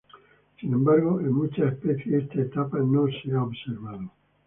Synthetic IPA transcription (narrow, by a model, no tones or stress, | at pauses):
sinembaɾɣoʔemmut͡ʃaespeθjeest̪aet̪apanõnseaobseɾβaðo